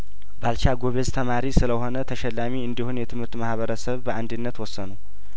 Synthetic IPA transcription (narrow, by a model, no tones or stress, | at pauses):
balt͡ʃaɡoβe̞zt̪ʰəmaɾisɨləho̞nət̪ʰəʃɛlːamiɨnd̪ihunjɛt̪ʰɨmhɨɾt̪mahβəɾəsəβbəʔand̪ɨnːət̪wɔsːənuw